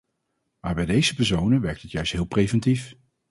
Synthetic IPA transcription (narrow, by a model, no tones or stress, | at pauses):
maːɹbɛjdejzəpɛɹsownənʋɛɹk̚tətjœɥstɦɪːlˠprejvɛntif